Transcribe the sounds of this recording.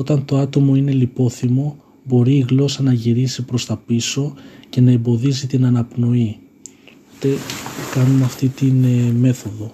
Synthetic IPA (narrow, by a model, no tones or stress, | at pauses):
o̞t̪ɐnt̪o̞ɐt̪o̞mo̞ine̞lipo̞θimo̞ | bo̞ɾiːɣlo̞sɐnɐʝiɾisipɾo̞st̪ɐpiso̞ce̞nɐe̞mbo̞ðizit̪inɐnɐpno̞i | t̪ekɐnumɐft̪it̪inme̞θo̞ðo̞